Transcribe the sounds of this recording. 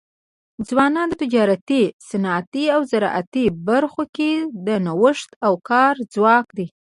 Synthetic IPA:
d͡zwɑnɑnd̪ət̪ɪd͡ʒɑɾat̪isanɑt̪iawzaɾɑ̰ʔa̰t̪ibaɾxoked̪ənawəʂt̪awkɑɾd͡zwɑkd̪i

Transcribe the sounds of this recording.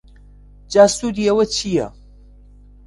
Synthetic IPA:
d͡ʒaːsuːd̪iɐwɐt͡ʃʰijɐ̰

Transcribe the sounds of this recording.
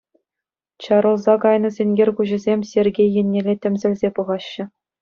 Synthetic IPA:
t͡ɕɑɾɤ̆lˠzɑkɑjnɤ̆zʲenʲɡʲerʲkuʑɘ̆zʲemʲsʲerʲɡʲejːɘ̆nʲːelʲetʲɘ̆mʲzʲɘ̆lʲzʲepuʁɑɕːɘ̆

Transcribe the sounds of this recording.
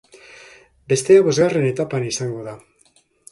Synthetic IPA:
be̞st̪e̞aβo̞zɣare̞ne̞t̪apanisaŋɡo̞ða

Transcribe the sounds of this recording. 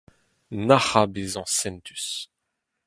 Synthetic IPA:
naχabezɑ̃sɛnt̪y̥s

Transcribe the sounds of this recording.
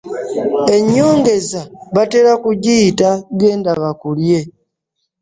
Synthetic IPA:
e̞ɲːo̞ːŋɡe̞zaβateɾakuɟitaɡeːndaβakulje̞

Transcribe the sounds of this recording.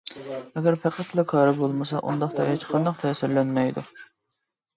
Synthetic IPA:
ɛɡʲɛɾpʰæqæt̪lɛkʰɑːɾɛbolˠmɨsɑ̰ʔṵnd̪ɑχt̪ɑjɑt͡ʃʰqʰɑnd̪ɑqt̪ʰɛːsɪɾlɛnmɛjd̪u

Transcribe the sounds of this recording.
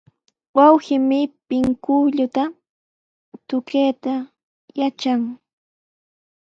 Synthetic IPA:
wawxɪmɪpɪŋkʊʎʊt̪a | t̪ʊkeːt̪a | jat͡ʃaŋ

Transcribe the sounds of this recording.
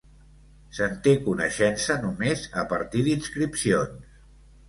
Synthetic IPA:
sənt̪ekunəʃɛnsənumezəpəɾt̪iðinskɾipsions

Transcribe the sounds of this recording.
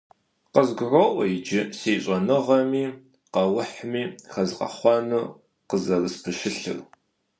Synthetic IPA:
qəzɡʷʊʕʷɔʔʷɔjɪd͡ʒɪseːɕʼɐnɨʁɐmiː | qɐwʊħmiːχɐzqɐ̰χʷɑnuː | qəzɐrɨspʰɨʃɪɬɨ̰r

